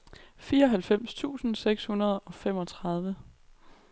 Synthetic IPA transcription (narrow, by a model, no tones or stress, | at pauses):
fiːɐɒ̽ɦælfem̰st͡sʰṵːsn̩seɡ̥shunɐð̞ˠɒ̽fem̰ɒ̽t͡sʰʁɑ̈ð̞ˠʋə